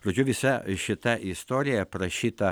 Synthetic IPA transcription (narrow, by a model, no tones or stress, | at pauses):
pɾod͡ʒʲʊʋʲɪsɐʃʲɪt̪ɐʔɪst̪oːɾʲɪjɛpɾɐʃʲit̪ɐ